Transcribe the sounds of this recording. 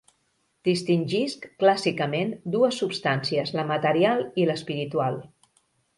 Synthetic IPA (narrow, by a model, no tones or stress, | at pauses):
d̪̥ist̪inʲʒiskklasikəmend̪uəsːupst̪ansiəzləmət̪əɾialˠiləspiɾit̪ualˠ